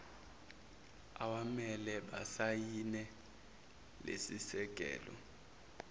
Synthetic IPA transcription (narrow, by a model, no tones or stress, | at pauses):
a̰wamɛlɛɓasajinɛ | lesisɛk̬ʼɛ̰ːlɔ̰